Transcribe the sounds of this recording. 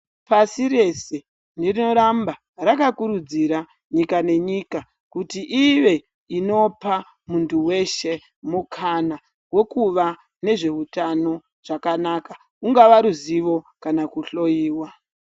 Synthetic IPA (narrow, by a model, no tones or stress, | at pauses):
pasiɾe̞se̞ | ndirino̞ɾamba | rakakuɾud͡ziɾa | ɲikane̞ɲiːka | kutiʔiʋe | ino̞pa | muntuwe̞ʃe̞ | mukʰana | wekuʋa | ne̞ʐe̞utano̞ | ʐ̥akanaka | uŋɡaʋaɾuziʋo̞kanakuɬo̞jiːwa